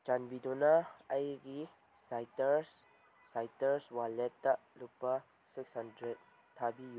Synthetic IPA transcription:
t͡ʃanbidonaɐjɡi | sajtɐɾs | sajtɐɾswaletːɐlupːɐ | sik̚sandɾet | tʰːabiju

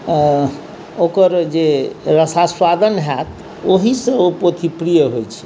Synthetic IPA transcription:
okəɾd͡ʒeɾəsaswad̪ənɦɛt̪ | oɦisə̃opot̪ʰipɾijəɦojt͡ʃʰɛ̥

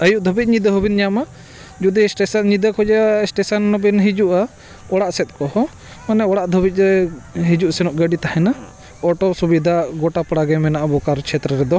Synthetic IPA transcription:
əjuʔd̪ʱɔbit̪̚ˀɲid̪əɦɔbinɲama | d͡ʒud̪isʈɛsnɲid̪əkɔd͡ʒɛasʈɛsanːɔbinɦid͡ʒuʔa | ɔɽaʔsɛt̪̚ˀkɔhɔ | manɛɔɽaʔd̪ʱɔbic̪̚ɾɛɦid͡ʒuʔsɛnɔʔɡəɖit̪ahɛna | ɔʈɔsubid̪ʱaɡɔʈapɽaɡɛmɛnaʔabɔkaɾt͡ʃʰɛt̪ɾəɾɛd̪ɔ

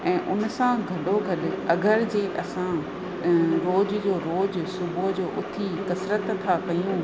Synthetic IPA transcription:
ɛ̃ːʔʊnsãɡʱɐɗoɡʱɐɗ̆ɐɡəɾd͡ʑeːʔɐsã | ɾoːd͡ʑd͡ʑoːɾoːd͡ʑsʊbʱod͡ʑoːʔʊt̪ʰikɐsɾət̪ʰːakɐjũ

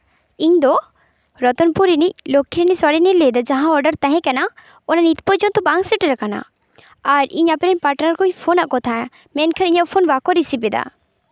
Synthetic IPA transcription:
iɲd̪ɔ | ɾɔt̪ɔnpuɾinic̚lokʰːiɾinisɔɾiniled̪ad͡ʒaɦãɔɾɖəɾt̪ɛɦɛ̃kɛna | ɔnanit̪pɔd͡ʒɔnt̪ɔbaŋsiʈiɾakana̰ | aɾiɲapɾɛnpaʈnaɾkojpʰonaʔkɔt̪ʰa | mɛnkʰaniɲaʔpʰonbakɔɾisipɛd̪a̰

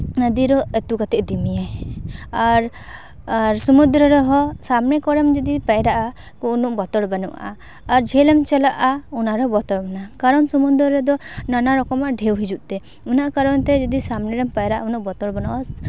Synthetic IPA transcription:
nəd̪iɾɔɛt̪ukat̪ɛʔd̪imija | aɾ | ɾsɔmund̪ɾɔɾɔɦɔsamnɛkɔɽɛmd͡ʒɔd̪ipajɾaʔa | kɔunuʔbɔt̪ɔɽbanɔ̰ʔaː | ɾd͡ʒʱɛlɛmt͡ʃɛlaʔaunaɾɔbɔt̪ɔɽbanakaɾɔnsɔmund̪ɾɔɾɛd̪ɔnanaɾɔkɔmaʔɖʱɛwɦid͡ʒuʔt̪ɛ | unaʔakaɾɔnt̪ɛd͡ʒɔd̪isamnɛɾɛmpajɾaʔaunuʔbɔt̪ɔɽbanuʔas

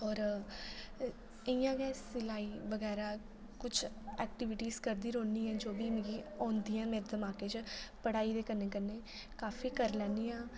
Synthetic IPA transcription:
ɔːɾ | ɪjãːɡɛːsɪlaːiːbəɡɛːɾaː | kʊt͡ʃʰɛːk̚ʈɪʋɪʈiːzkəɾd̪iːɾõːniːɛ̃ːd͡ʒoːbiːmɪ̃ɡiːɔ̃ːnd̪iːãːmẽːɾd̪əmaːkeːt͡ʃpəɽaːiːd̪eːkənːeːkəneː | kaːfiːkəɾlɛːnd̪iːãː

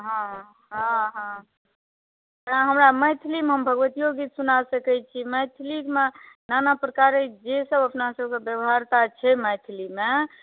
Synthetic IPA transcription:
ɦã | ɦãɦã | ɾaɦəmɾaməjt̪ʰilimɦəmbʱəɡʋət̪ijoɡit̪sunasəkɛt͡ʃʰiməjt̪ʰlikmenanapɾəkaɾed͡ʒesəbəpnasəbʱkebjəbɦaɾt̪at͡ʃʰɛməjt̪ʰlime

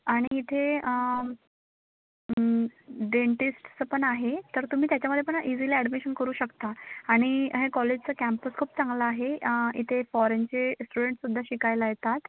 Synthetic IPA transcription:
aɽ̃iːt̪ʰeə | ɖeɳʈisʈt͡səpəɳaɦet̪əɾt̪um̤iːt̪jat͡ɕjaməd̪ʱjepəɳʔid͡ziliæɽmeɕənkəɾuːɕəkt̪aaɽ̃iɦekɔled͡ʑt͡səkæmpəskʰuːp̚t͡sãŋɡlaːɦeḭt̪ʰefɔɾent͡ɕesʈuɽeɳʈsud̪ʱːaɕikajlajet̪at̪

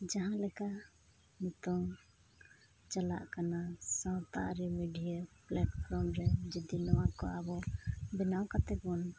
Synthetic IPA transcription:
d͡ʒaɦãlɛkaʔ | nit̪ɔŋ | t͡ʃala̰ʔkanasãwt̪a̰ʔɾɛmiɖijaplɛʈpʰɾɔmɾɛd͡ʒɛd̪inɔwakɔabɔbɛnawkat̪ɛkɔn

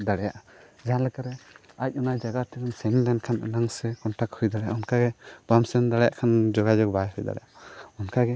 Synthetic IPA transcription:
d̪aɽɛjaʔad͡ʒaɦanlɛkaɾɛ | ac̚ˀɔnajd͡ʒaɡat̪ikɔnsɛnd̪ɛnkʰanʔɛ̰naŋsɛkɔnʈakhujd̪aɽɛja̰ʔɔnkaɡɛb̥amsɛnd̪aɽja̰ʔkʰand͡ʒɔɡad͡ʒɔk̚bajɦujd̪a̰ɽɛ̰jaaɔnkaɡɛ

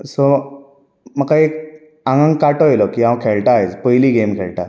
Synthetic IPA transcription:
so | məkaek | ãŋɡãŋkaʈɔjlɔkiɦãwkʰeɭʈajt͡spəjliːɡemkʰeɭʈa̰

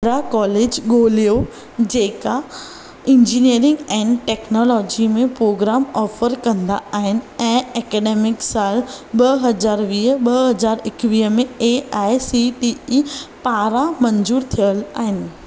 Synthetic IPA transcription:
ɾakɔːleːd͡ʑɡoːlijo | d͡ʑeːka | ɪ̃ɲd͡ʑiniəɾɪ̃ŋɡɛ̃ːnʈeːknɔːlɔːd͡ʑimẽpɾoːɡɾaːmɔːfəɾkɐ̃nd̪aaːɦɪnɪ̆ɛ̃ːɛːkɛːɖeːmɪksaːlɓɐɦɐzaːɾʋiːɦəɓɐɦɐzaːɾɪkʋiːɦəmẽeaːɪsiʈiipaːɾamɐ̃ɲzuːɾt̪ʰijəlaːɦɪnɪ̆

